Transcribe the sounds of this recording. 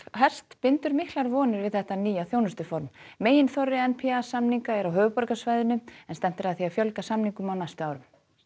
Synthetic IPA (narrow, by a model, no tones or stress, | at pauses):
ɦɛr̥st̪pɪnt̪ʏɾmɪhk̪laɾvɔːnɪɾvɪðθɛht̪aniːjawθjoːwnʏst̪ʏfɔɾmːeːjɪnθɔrːɪɛnpʰiasamniŋkaɛɾawɦœːvʏpɔɾkasvaːjðʏnʏɛnst̪ɛm̥t̪ɪɾaðθiafjœlkasamniŋkʏmawnajst̪ʏaːwɾʏm